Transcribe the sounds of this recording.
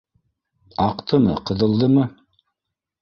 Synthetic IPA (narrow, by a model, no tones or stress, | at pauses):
ɑqt̪ʰɤmɤ̰qɤ̆ðɤ̆lˠd̪ɤmɤ